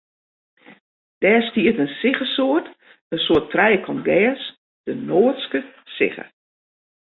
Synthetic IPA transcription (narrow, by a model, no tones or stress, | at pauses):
d̥ɛːstiətənsɪxəsoət | əsoətʰrɛjəkʰɔnɡɛːs | d̥ənoːətskəsɪ̰xə̰